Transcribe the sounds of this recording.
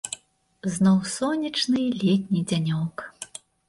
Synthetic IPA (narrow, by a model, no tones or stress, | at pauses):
znɔwsɔnʲit͡ʂnɨlʲet̪ʲnʲid͡zʲanʲɔk